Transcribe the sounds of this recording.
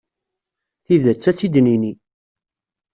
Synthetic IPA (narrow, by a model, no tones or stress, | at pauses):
θiðət͡sːæt͡sːid̪nini